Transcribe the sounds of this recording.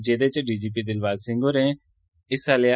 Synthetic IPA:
d͡ʒeːd̪et͡ʃəɖiːd͡ʒiːpid̪ɪlʋaːlsɪ̃ŋɡoɾɛ̃ | ɪsaːlea

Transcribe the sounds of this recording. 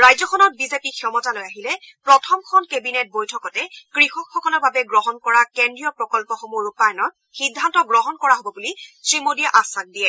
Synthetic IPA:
ɹajzɔkʰɔnɔt̚bizepikʰjɔmɔtalojaɦilɛ | pɹɔtʰɔmkʰɔnkebinet̚bojtʰɔkɔtɛkɹixɔkxɔkɔlɔbabɛɡɹɔɦɔnkɔɹakendɹijɔpɹɔkɔlpɔxomuɹupajɔnɔt̚ | xidʱːantɔɡɹɔɦɔnkɔɹaɦobɔbulisɹimodijaʔasak̚diɛ

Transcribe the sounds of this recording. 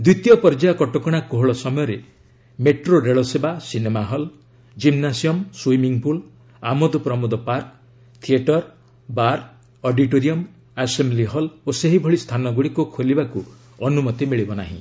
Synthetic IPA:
d̪wit̪jɔpɔɾd͡ʒaɔkɔʈɔkɔɽ̃akoɦɔɭɔsɔmɔjɔɾe | meʈɾoɾeɭɔsebasinemaɦɔl | d͡ʒimnasiɔmswimiŋpul | amod̪ɔpɾɔmud̪ɔpaɾk | t̪ʰieʈɔɾ | baɾ | ɔɖiʈoɾiɔm | asembliɦɔloseɦibʱɔɭist̪ʰanɔɡuɽikukʰolibaku | ɔnumɔt̪imiɭibɔna̰ɦḭ̃

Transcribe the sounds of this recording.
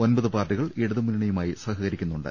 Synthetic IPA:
o̞nbɐðɨpaːrʈːiɣɐɭiɽuðɨmuniɳɐjumaːjisɐhɐɣɐɾikʲːunːuɳɖa̰

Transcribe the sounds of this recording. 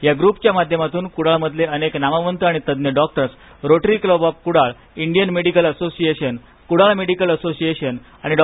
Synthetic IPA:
jaɡɾupt͡ɕjamad̪ʱjəmat̪uːnkuɽaɭməd̪ʱleəneknamaʋənt̪əaɽ̃it̪əd̪njəɖɔk̚ʈəɾs | ɾoʈɾikləbɔp̚kuɽaɭ | iɳɖijənmeɽikələsosieɕən | kuɽaɭmeɽikələsosieɕən | aɽ̃iɖ

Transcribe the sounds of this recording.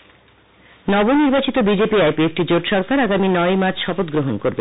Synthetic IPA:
nɔboniɾbat͡ɕit̪obid͡ʑepiajpiek̚ʈid͡ʑoʈʃɔɾkaɾaɡaminɔjmat͡ɕʰʃɔpot̪ɡɾoɦonkoɾbe

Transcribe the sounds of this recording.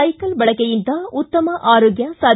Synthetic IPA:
ɐɪkːɐlʋɐɭɐkːɐjɪnt̪ãːʊt̪ːɐmɐʔaːɾoːɡjaːsaː

